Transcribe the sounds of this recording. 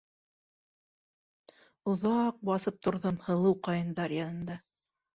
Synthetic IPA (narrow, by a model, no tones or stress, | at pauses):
ŏðɑq̚bɑθɤp̚t̪ŏɾðomhɤ̆lˠɤwqɑjɤ̆nd̪ɑɾjɑnɤ̆nd̪ɑ